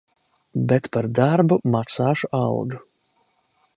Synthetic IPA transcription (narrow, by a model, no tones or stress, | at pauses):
bɛt̪paɾd̪aɾbumaksaːʃuʔawɡ̪u